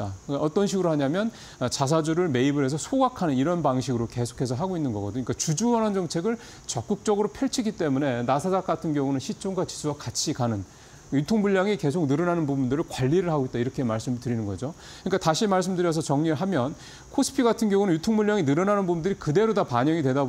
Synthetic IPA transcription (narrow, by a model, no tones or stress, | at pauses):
aaʌt͈ʌnɕ̬ʰiɡɯɾohaɲamjʌn | t͡ɕas̬ʰad͡ʑuɾɯɭme̞ibɯɾe̞s̬ʰʌsʰoɡakʰanɯniɾʌnbaŋɕʰiɡɯɾoke̞sʰo̥kʰe̞sʰʌɦaɡoinːɯnɡʌɡʌdoɲik͈at͡ɕud͡ʑuʌnʌnd͡ʑʌŋt͡ɕʰe̞ɡɯɭ | t͡ɕʌk͈̚ɯk̚t͡ɕ͈ʌɡɯɾopʰjʌɭt͡ɕʰiɡit͈e̞mune̞nasʰad͡ʑak͈̚atʰɯnɡjʌŋunɯnɕʰit͡ɕ͈oŋɡat͡ɕi̥sʰuwakat͡ɕʰikanɯn | jutʰoŋmuʎːaŋike̞sʰok̚nɯɾʌnanɯnbubundɯɾɯɭkwaʎːiɾɯɭɦaɡoit̚t͈aiɾʌkʰe̞maɭs͈ɯmtɯɾinɯnɡʌd͡ʑo | kɯɲik͈ataɕʰimaɭs̬͈ɯmdɯɾjʌs̬ʰʌt͡ɕʌŋɲiɭɦamjʌn | kʰosʰɯ̥pʰiɡatʰɯnɡjʌŋunɯnjutʰoŋmuʎːaŋinɯɾʌnanɯnbubundɯɾikɯde̞ɾodapaɲʌŋidwe̞da